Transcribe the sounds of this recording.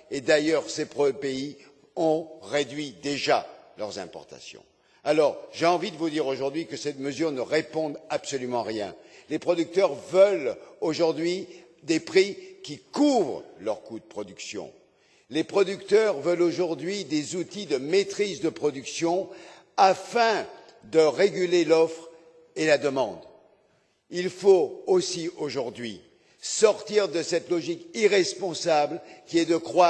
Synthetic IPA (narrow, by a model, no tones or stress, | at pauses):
ed̪ajœʁsepχɔpei | ɔ̃ʁed̪ɥid̪eʒalœʁzɛ̰̃pɔ̰ʁt̪a̰sjɔ̰̃ | alɔʁʒeɑ̃vid̪əvud̪iʁoʒuʁd̪ɥikəsɛt̪məzyʁnəʁepɔ̃d̪apsɔlymɑ̃ʁjɛ̰̃lepχɔd̪yk̚t̪œʁvœloʒuʁd̪ɥi | d̪epχikʲikuvʁəlœʁkud̪əpχɔd̪yksjɔ̰̃ | lepχɔd̪ykt̪œʁvəloʒuʁd̪ɥid̪ezut̪id̪əmet̪χizd̪əpχɔd̪yksjɔ̃ | afɛ̃ | d̪əʁeɡʲylelɔfχ | elad̪əmɑ̃d̪ | ilfoosioʒuʁd̪ɥi | sɔʁt̪iʁd̪əsɛt̪lɔʒikiʁɛspɔ̃sablkʲiɛd̪əkχwa